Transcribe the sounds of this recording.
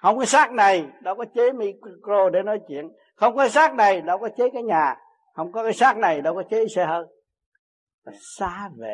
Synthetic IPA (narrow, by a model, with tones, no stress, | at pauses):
hə˧wŋ͡mkɔː˨˦saː˦˥k̚na˨˩jɗɔ˨˧˦wkɔ˨˦t͡ɕe˨˦mi˧kkɾo˧ɗe˧˩nɔ˨˦jt͡ɕwḭ˧˨ən | xə˧wŋ͡mkɔ˨˦s̬aː˦˥k̚na˨˩jɗɔ˧˦wkɔ˨˦t͡ɕe˨˦kaː˨˦jɲaː˨˩ | xə˧wŋ͡mkɔ˨˦kaː˨˦jsaː˦˥k̚na˨˩jɗɔ˧wkɔ˨˦t͡ɕe˨˦˨sɛ˧hə˧ | va˨˩saː˨˦vḛ˧˨